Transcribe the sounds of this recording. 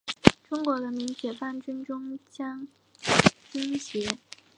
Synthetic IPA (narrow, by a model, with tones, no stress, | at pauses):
ʈ͡ʂʊ˥ŋkwɔ˧˥d̪ə˧mi˧˥ŋt͡ɕʰjɛ˨˩fa˥˩nt͡ɕy˥nʈ͡ʂʊ˥ŋt͡ɕjɑ˥ŋ | t͡ɕi˥nɕɛ˧˥